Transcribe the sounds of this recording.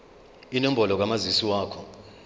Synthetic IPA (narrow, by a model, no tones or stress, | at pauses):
inɔmbʱɔlɔk̬amazisiwaːkʰɔ